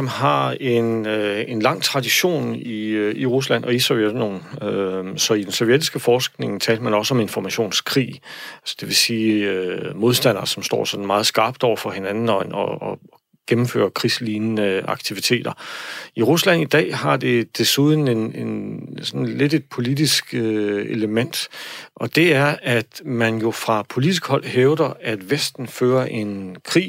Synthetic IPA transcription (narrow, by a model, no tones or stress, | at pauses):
ɒ̽mɦɑ̈e̝ne̝nlɑ̈ŋ̰t͡sʰʁɑ̈d̥iɕo̝̰ːniiʁus̬læn̰ʔɒ̽isɒʊjeno̝̰ːn̩øsɒ̽id̥ensɒʊjed̥isɡ̥əfɒːsɡ̥ne̝ŋt͡sʰɛ̰ːld̥əmænɒ̽səɒ̽me̝nfɒmæɕo̝̰ːnskʰʁḭːælsə̥d̥e̝ʋe̝siːømo̝ð̞ˠsd̥æn̰ɐsɒ̽msd̥ɒ̰ːsɒ̽d̥n̩mɑ̈ːð̞̩ˠsɡ̥ɑ̈ːb̥̚d̥ɒʊɐfɒ̽he̝nænn̩ɒɒ | ɡ̥emm̩fø̰ːɐkʰʁisliːnnəɑ̈ɡ̥t͡sʰiʋit͡sʰe̝̰ːd̥ɐiʁuslæn̰id̥ɛ̰ːɦɑ̈d̥e̝d̥e̝suð̞ˠn̩e̝nensɒ̽nle̝de̝d̥̚pʰo̝lidisɡ̥eləmen̰d̥ʔɒ̽d̥e̝æɐæd̥mænjo̝fʁɑ̈pʰo̝lid̥isɡ̥hɒ̽l̰ɦeʊd̥ɐæd̥ʋesd̥n̩føːɐʔe̝nkʰʁḭː